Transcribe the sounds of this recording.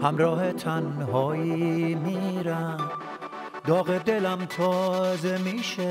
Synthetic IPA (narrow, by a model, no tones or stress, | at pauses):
hæmɾɒːhe̞t̪ʰænɦɒːjimiːɾæ | d̪ɒːɣed̪e̞læmt̪ʰɒːze̞miːʃe